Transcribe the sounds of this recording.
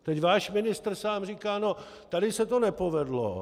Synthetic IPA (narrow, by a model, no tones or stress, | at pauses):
t̪ɛcvaːʃmɪnɪst̪r̩saːmriːkaːno̞ | t̪adɪsɛt̪o̞nɛpo̞vɛdlo̰